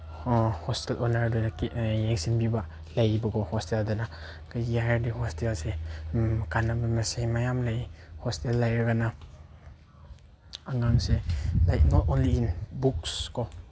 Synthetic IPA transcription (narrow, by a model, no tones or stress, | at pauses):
hɔstɛlʔɔnaɾdɔnajeŋsinbiba | lajbakʰɔhɔsteldɔna | kaiaɾdihɔstelse | kanabamasemajamlajhɔstelːajɾɡana | aŋaŋselajtnɔtɔnliːnbukskɔ